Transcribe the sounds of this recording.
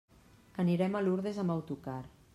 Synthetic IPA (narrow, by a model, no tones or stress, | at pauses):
əniɾɛmaluɾðezamawt̪ukar